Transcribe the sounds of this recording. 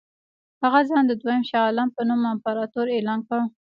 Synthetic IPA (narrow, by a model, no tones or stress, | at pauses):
haɣazɑnd̪əd̪wajəmʃɑɑlampənumampaɾɑt̪oɾelɑnkaɽə